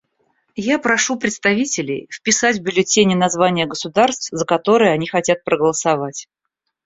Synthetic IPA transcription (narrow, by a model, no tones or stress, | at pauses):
japɾɐʂupɾʲɪt̪st̪ɐvʲitʲɪlʲɪ̰jfpʲɪsatʲvbʲʊlʲɪtʲenʲɪnɐzvanʲɪjəɡəsʊd̪arst̪fzəkɐt̪o̞ɾɨjəɐnʲixɐtʲat̪̚pɾəɡəlˠəsɐvatʲ